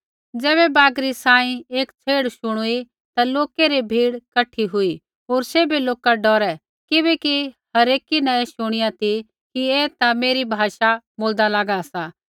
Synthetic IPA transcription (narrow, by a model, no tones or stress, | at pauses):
d͡zɛːbɛbaːɡɾisãːĩeːkt͡sʰeːɽʃʊɽ̃ui | t̪aloːkeɾibʱiːɽkɐʈʰːiɦʊi | ɦoːɾsebiloːkaɖɔːɾɛ | kɪbɛkihɐɾeːkinɐeʃʊɽ̃ɪjãt̪ʰi | kieːt̪ameːɾibʱaːʃamoːld̪alaːɡasaː